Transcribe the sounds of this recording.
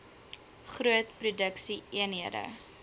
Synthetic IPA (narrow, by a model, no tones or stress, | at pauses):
χruətprudəksiiənɦiədə̰